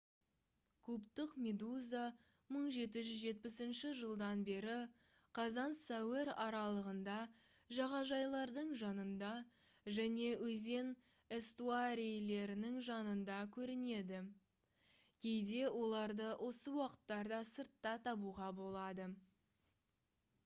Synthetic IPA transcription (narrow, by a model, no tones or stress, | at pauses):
kʰʉpt̪ɪqmʲe̞d̪uza | məɴʒe̞t̪ɪʒʏzʒe̞t̪̚pɪsɪnʃɪʒəlˠd̪ɑnbe̞ɾɪ | qʰɑzɑnsæweɾɑɾɑlˠəʁənd̪ɑ | ʒɑʁɑʒɑjlˠɑɾd̪əɴʒɑnənd̪ɑ | ʒæne̞ɵze̞n | est̪uaɾijle̞ɾɪnɪŋʒɑnənd̪ɑkʲʰɵɾɪne̞d̪ɪ | kʲʰejd̪e̞wo̞lˠɑɾd̪əwʔo̞səwɑqə̥t̪ːɑɾd̪ɑsəɾt̪ːɑt̪ʰɑbuʁɑbo̞lˠɑd̪ə